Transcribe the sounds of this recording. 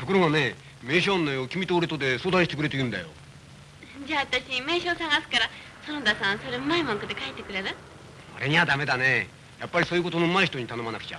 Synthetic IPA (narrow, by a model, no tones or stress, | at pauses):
t̪okɯɾoɡane̞ | me̞ːɕõnːajokʲimʲit̪oːɾɯt̪od̪e̞soːd̪ãɰ̃ɕitekɯ̟ɾe̞t̪ejɯ̟̃nd̪a̰jo̞̰ | d͡ʑaːβat̪aɕime̞ːɕo̞ːsãŋɡasɨ̥kaɾa | sonod̪asãɰ̃soɾemaimõŋkɯ̟d̪ekaet̪ːe̞kɯ̟ɾe̞ɾɯ̟ | oɾe̞ɲ̟iβad̪ame̞d̪ane̞ | japːaɾʲisoːjɯko̞t̪o̞noɯmaiçi̥t̪oɲ̟it̪ano̞manakɯ̟̥t͡ɕa̰